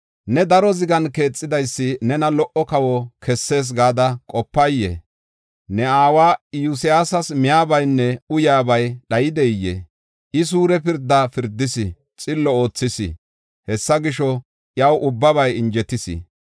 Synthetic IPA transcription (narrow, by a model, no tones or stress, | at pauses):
nɛd̪ɐɾɔzɪɡɐnke̞ːt͡sʼːɪd̪ɐjsːɪnɛnɐlɔʔɔkɐwɔkʰɛsːe̞ːs̬ɡaːd̪ɐkʼɔpːɐjjːɛ̰ | nɛaːwaːjʊs̬ɪjaːsɐsmɪjaːbɐjnːɛʊjaːbɐjɗɐjɪd̪ɛjːḛ | ʔɪs̬uːɾɛpɪɾd̪ːɐfɪɾd̪ːɪsɪ | t͡sʼɪlːɔo̞ːt͡sːɪsɪ̰ | hɛsːɐɡɪʃɔ | ʔjɐwʔʊbːɐβɐjɪnd͡ʒɛt̪ɪsɪ̰